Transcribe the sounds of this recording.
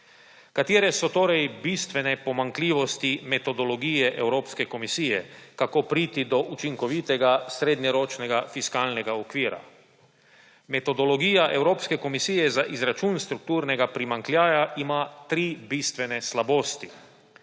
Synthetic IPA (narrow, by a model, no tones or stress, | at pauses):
kat̪iːɾɛsɔt̪oːɾɛjbist̪ʋɛnɛpɔmaŋkliːʋɔst̪imɛt̪ɔd̪ɔlɔɡijɛʔɛwɾoːpskɛkɔmisiːjɛ̰kakoːpɾiːt̪id̪ɔʔut͡ʃiŋkɔʋit̪ɛɡasɾeːd̪ɲɛɾoːt͡ʃnɛɡafiskaːlnɛɡaɔkʋiːɾa̰ | mɛt̪ɔd̪ɔlɔɡiːjaʔɛwɾoːpskɛkɔmisiːjɛzaʔizɾat͡ʃuːnst̪ɾuk̚t̪uːɾnɛɡapɾimaŋklʲjaːjaʔimat̪ɾiːbist̪ʋɛnɛslaboːst̪i